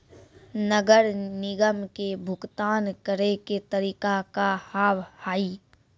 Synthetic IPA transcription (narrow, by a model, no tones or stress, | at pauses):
nəɡəɾnɪɡəmkebʱʊkt̪aːnkəɾeket̪əɾiːkakahaːʋhaːiː